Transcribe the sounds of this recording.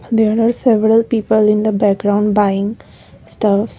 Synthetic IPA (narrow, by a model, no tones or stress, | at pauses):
d̪eːɾaɾseʋəɾəlpiːpəlɪ̃nd̪əbæk̚ɡɾãʊ̃ɳɖbaɪɪ̃ŋ | sʈʌfs